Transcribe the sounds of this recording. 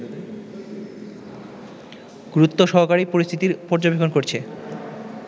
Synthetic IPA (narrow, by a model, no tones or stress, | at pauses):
ɡ̥ɾut̪ːoʃɔɦokaɾipoɾist̪ʰit̪iɾpɔɾd͡ʑobekʰonkoɾt͡ɕʰe